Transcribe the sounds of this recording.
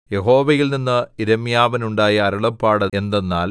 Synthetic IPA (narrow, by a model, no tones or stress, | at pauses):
jeɦo̞ːʋɐjilninːɨiɾɐmjaːʋɐnuɳɖaːjɐːɾɐɭɐpːaːɽɐe̞nd̪enːaːl